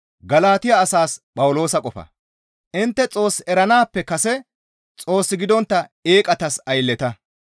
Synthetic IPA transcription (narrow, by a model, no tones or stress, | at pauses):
ɡɐlaːt̪ɪjaːsaːspʼɐwʊlo̞ːsɐkʼɔfɐ̰ | ʔɪnt̪ːɛt͡sʼo̞ːsɛɾɐnaːpːɛkɐsɛ | t͡sʼo̞ːsːɪɡɪd̪ɔnt̪ːɐe̞ːkʼɐt̪ɐsɐjlːɛt̪ɐ